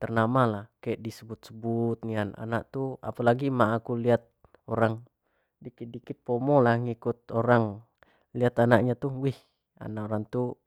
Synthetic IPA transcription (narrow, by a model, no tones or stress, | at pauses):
t̪ərnamalahkaɛʔdisəbut̪̚səbut̪̚ŋiana̰na̰ʔt̪ua̰palaɡimaːkuliat̪̚ | oɾaŋ | dikidikɪt̪̚pɔmɔlahŋikut̪̚oɾaŋ | liat̪anaʔɲat̪uwih | a̰naʔoɾaŋt̪u